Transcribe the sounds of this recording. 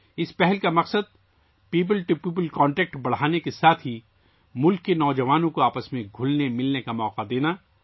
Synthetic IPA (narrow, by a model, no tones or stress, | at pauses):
ɪspɛɦɛlkamɐqsəd̪̚ | piːp̬əlʈupiːp̬əlkɔ̃ːɳʈɛːk̚ʈbɐɽ̤aːnekesaːt̪ʰɦi | mʊlkːenɔːd͡ʒɐʋaːnõkoaːpəsmẽɡʱʊlnemɪlnekamɔːqad̪eːnaː